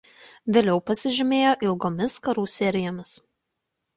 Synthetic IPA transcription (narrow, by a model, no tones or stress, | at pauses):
ʋʲeːlʲɛʊpɐsʲɪʒʲɪmʲeːjoːʔɪlˠɡoːmʲɪskɐɾuːsʲɛɾʲɪjoːmʲɪs